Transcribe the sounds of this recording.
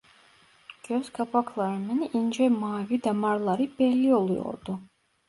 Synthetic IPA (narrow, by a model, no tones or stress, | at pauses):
ɡ̥øzkʰapʰakʰlˠaɾɯminind͡ʒɛmaːvid̪amaɾlˠaɾibɛlːiolˠujɔ̰ɾd̪u